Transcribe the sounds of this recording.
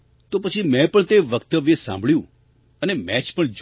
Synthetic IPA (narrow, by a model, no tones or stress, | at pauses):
t̪opət͡ʃʰimɛ̃pəɳt̪eʋəkt̪əʋesã̰mbʱɭjũ | ənemɛt͡ʃpəɳd͡ʒ